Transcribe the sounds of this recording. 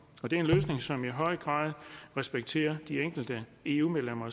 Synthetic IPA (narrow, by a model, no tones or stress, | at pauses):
ɒ̽d̥e̝æɐe̝nløːsne̝ŋsɒ̽miɦɒ̽ɪ̰ɡ̥ʁɑ̰̈ːð̞ˠʁɛsb̥eɡ̥̚t͡sʰe̝̰ːɐd̥ieŋ̰ɡ̥l̩d̥əe̝ṵːmeðˠlem̰ɐ